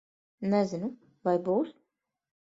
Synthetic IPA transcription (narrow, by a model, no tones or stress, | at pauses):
nɛzʲɪnu | vajbuːs